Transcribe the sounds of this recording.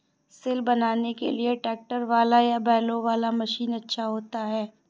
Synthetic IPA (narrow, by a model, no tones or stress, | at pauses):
sɪlbɐnaːnekḛlieʈɛːk̚ʈəɾʋaːlajabɛːloʋaːlamɐʃiːnɐtːʃʰaɦoːt̪aɦɛː